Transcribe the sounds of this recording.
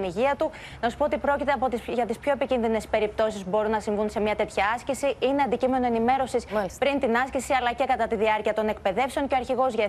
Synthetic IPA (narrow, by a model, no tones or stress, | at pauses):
niʝiɐt̪u | nɐsu̥pot̪ipɾo̞cit̪eɐpo̞t̪ʝɐt̪ispço̞epicinðine̞spe̞ɾip̚t̪o̞sizbo̞ɾunːɐsiɱvunse̞mɲɐt̪e̞t̪çɐɐscesiʔine̞ɐnd̪icime̞noe̞nime̞ɾo̞sisspɾint̪inɐscesiɐlɐce̞kɐt̪ɐt̪iðiɐɾciɐt̪o̞ne̞k̚pe̞ðe̞fse̞o̞ɲceɐɾçiɣo̞zʝɐ